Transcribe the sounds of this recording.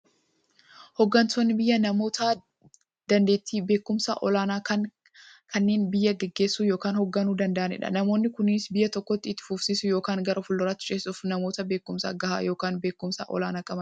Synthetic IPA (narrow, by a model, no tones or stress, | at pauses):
hɔɡːɐnt̪oːnːɪbɪjːɐnɐmo̞ːt̪aː | d̪̥ɐnd̪eːt̪ːiːbe̞ːkːʊmsa̰ːʔɔlaːnaːkɐn | kʰɐnːeːnbɪjːɐɡɛɡːe̞ːsːuːjo̞ːkaːnhɔɡːɐnuːd̪ɐnd̪ɐʔɐnɪ̰ᶑɐ̰nɐmo̞ːnːɪkʊniːsbɪjːɐt̪ɔkːɔt̪ːɪɪt̪ːɪ̥fufsiːsʊjo̞ːkaːŋɡɐɾɐfʊlːʊɾat̪ːɪ̥t͡ʃʼeːsʊfnɐmo̞ːt̪ɐbe̞ːkːʊmsa̰ːɡɐha̰ːjo̞ːkaːnbe̞ːkːʊmsa̰ʔɔ̰laːnaːkʼɐmɐn